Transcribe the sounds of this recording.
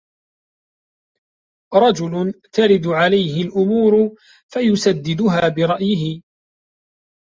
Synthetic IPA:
ɾˤɑd͡ʒʊlʊt̪aɾɪd̪ʕalajɦɪlʔʊmuːɾʊ | fajʊsad̪ːɪd̪ʊɦaːbɪɾˤɑʔjɪɦɪ

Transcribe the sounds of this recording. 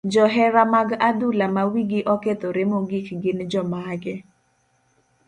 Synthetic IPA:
d͡ʒɔɦɛɾamaɡadulamawiɡɪʔɔket̪oɾemoɡɪkɡɪnd͡ʒɔmaɡɛ

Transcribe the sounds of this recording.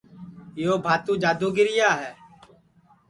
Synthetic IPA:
joːbʱaːt̪ũːd͡ʒaːd̪uːɡɪɾɪjaːɦɛː

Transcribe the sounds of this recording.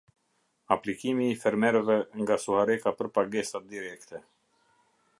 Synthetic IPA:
aplikimiːfɛɾmɛɾɛvɛŋɡasuhaɾɛkapəɾpaɡɛsad̪iɾɛkt̪ɛ

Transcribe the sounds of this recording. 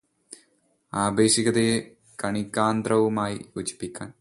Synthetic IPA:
aːbeːʂiɡɐd̪eje | kɐɳikːaːnd̪ɾɐʋumaːjiut͡ɕi̥pːikʲːaːn

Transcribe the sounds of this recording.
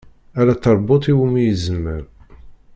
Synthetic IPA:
æɾat̪ːɑɾˤbot̪ˤiwumijəzəmːəɾ

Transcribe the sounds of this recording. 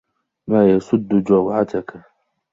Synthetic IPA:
maːjasʊd̪ːʊd͡ʒawʕat̪aka

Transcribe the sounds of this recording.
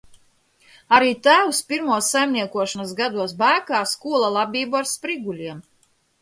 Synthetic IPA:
aɾiːt̪æːwspʲiɾmuɔsːajmniɛkuɔʃanasɡad̪uɔsbæːkaːskuɔlˠalˠabʲiːbuaɾspɾiɡulʲiɛm

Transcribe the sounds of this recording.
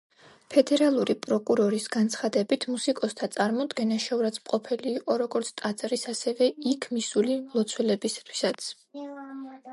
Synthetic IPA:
pʰɛd̪ɛɾalˠuɾipʼɾɔkʼuɾɔɾisɡant̪sʰχad̪ɛbit̪ʰmusikʼɔst̪ʰat̪sʼaɾmɔd̪ɡɛnaʃɔvɾat̪sʰmqʼɔpʰɛliːqʼɔɾɔɡɔɾt̪sʰt̪ʼat̪sʼɾisasɛvɛikʰmisulilˠɔt̪sʰwɛlɛbisḁt̪ʰwi̥sat̪sʰ

